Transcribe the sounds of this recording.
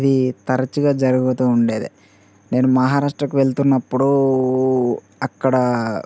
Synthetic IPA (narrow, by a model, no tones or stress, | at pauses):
id̪it̪ɐɾɐt͡ʃuɡaːd͡ʒɐɾuɡut̪uːuɳɖe̞ːd̪i | ne̞ːnumɐɦaːɾaːʂʈɾɐkuʋe̞ɭt̪unːɐpːuɽu | ɐkːɐɽɐ